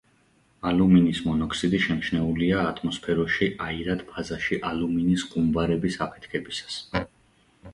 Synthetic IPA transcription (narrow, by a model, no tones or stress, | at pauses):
aluminismɔnɔkʰsid̪iʃɛmʃnɛuliaːt̪ʰʼmɔspʰɛɾɔʃiʔaiɾad̪pʰazaʃiʔaluminisqʼumbaɾɛbisapʰɛ̥t̪ʰkʰɛbisḁs